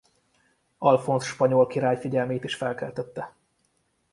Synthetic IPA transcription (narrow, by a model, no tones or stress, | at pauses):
ɒlfo̞nsʃpɒɲo̞lkiɾaːjfiɟɛlmeːt̪iʃfɛlkɛlt̪ɛt̪ːɛ